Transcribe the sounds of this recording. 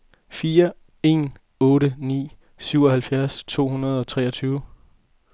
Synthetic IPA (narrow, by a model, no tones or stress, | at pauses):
fiːɐ | e̝̰ːn | ɔ̽ːɾənḭː | syʊ̰ɒ̽ɦhælfjæɐst͡sʰo̝̰ːɦunɐð̞ˠɒ̽t͡sʰʁɛːɒt͡sʰyːʊ